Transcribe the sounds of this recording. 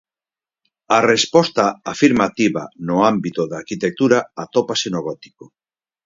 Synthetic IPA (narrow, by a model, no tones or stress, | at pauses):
arespɔst̪aafiɾmat̪iβa̰noambit̪oðaɾkit̪ek̚t̪uɾaat̪opasenoɣɔt̪i̥ko